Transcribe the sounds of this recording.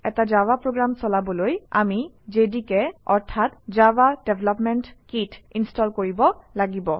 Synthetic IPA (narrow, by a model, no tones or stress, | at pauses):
ɛ̰tad͡ʒawapɹoɡɹamsɔlabɔloja̰mi | d͡ʒedikɛɔ̰ɹt̪ʰat̪d͡ʒawadebʱlɔpmɛntkitinstɔlkoɹibɔlaɡibɔ